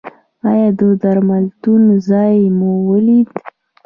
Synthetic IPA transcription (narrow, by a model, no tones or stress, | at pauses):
ɑjɑd̪əd̪aɾmalt̪unzɑjmuwəlid̪